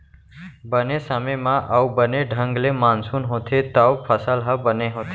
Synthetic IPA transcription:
bənesəməjmãʔawbəneɖʱə̃ŋɡlemansuːnɦot̪ʰet̪awpʰəsəlɦəbəneɦoːt̪ʰe

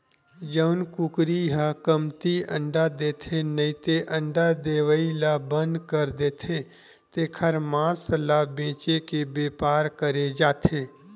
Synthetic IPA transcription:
d͡ʒəʊnkukɾiɦakəmt̪iə̰̃ɳɖad̪eːt̪ʰenəɪt̪eʔə̃ɳɖad̪eːwəilabə̃nd̪kəɾd̪eːt̪ʰe | t̪ekʰəɾmãːslabẽːt͡ʃekebeːpaːɾkəɾed͡ʒaːt̪ʰeː

